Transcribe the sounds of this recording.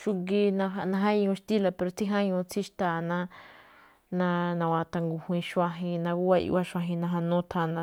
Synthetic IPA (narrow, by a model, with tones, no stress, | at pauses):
ʃu˧ɡi˧nã˧a˧nã˧ɦa˦˧ɲũ˧ʃt̪i˦la˧pe˧ɾo˨˧t͡si˦ɦã˦ɲũ˧t͡sʰi˦ʃt̪a˧˨nã˧ | nã˧nã˧wa˧t̪a˧ŋɡu˧hwĩ˧ʃwã˧ɦĩ˧nã˧ɡu˦a˧ʔḭ˧wa˦ʃã˧ɦĩ˧nã˧ɦa˧nũ˦t̪ʰa˧nã˧